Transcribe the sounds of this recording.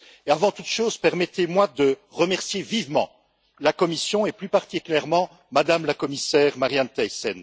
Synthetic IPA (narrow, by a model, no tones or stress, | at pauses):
eavɑ̃t̪ut̪ʃoːzpɛʁmɛt̪emwad̪əʁəmɛʁsjevivmɑ̰̃ | lakɔmisjɔ̃eplypaʁt̪ikʲyljɛʁmɑ̃ | mad̪amlakɔmisɛːʁmaʁjant̪ajsɛn